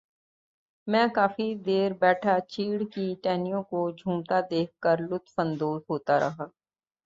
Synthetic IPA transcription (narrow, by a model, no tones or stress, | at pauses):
mɛ̃ːkaːfid̪eːɾbɛːʈʰat͡ʃiːɽkiʈɛːnijõkod͡ʒʱũːmt̪ad̪eːk̚ʰkəɾlʊt̪ʰfə̃nd̪oːzɦoːt̪aɾʔɐ̰ɦaː